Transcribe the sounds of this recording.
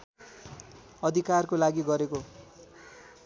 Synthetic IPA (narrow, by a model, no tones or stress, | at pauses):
ʌd̪ʱikarkolaɡiɡʌɾeko